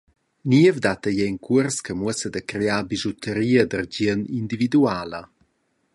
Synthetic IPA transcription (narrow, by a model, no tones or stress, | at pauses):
niəvd̪at̪əjɛŋkʰuərskəmuəsəd̪əkɾeaːbizɔtʰəɾiəd̪ərɟiənind̪ivid̪uaːlə